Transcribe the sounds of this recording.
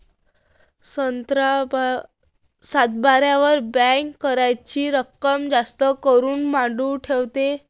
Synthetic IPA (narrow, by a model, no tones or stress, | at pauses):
t̪ɾ | sat̪̚baɾjaʋəɾbɛ̃kːəɾajt͡ɕiːɾəkːəmd͡zast̪əkəɾuːnmaɖuʈʰeʋt̪e